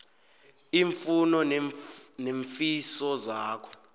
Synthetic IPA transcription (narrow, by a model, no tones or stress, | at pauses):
iːɱfunɔnneɱfisɔzaːkʰɔ̥